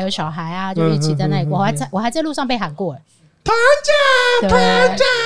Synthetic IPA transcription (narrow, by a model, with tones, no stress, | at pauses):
jo˧˥ʊɕjɑ˨˩ʊxa˧˥ɪɐ˧t͡ɕjo˥˧ʊ˥˩t͡ɕʰi˨˩t͡sa˥˧na˥˩i˥˨wɔ˨˩xa˧˥ɪt͡sa˥˩ɪwɔ˨˩xa˧˥ɪt͡sa˥˧ɪlu˥˧ʂɑ˥˧ŋpe˥˩xa˨˩nkwɔ˥˩ | pʰa˧˥t͡ɕa˥˧˥pʰa˥˧˩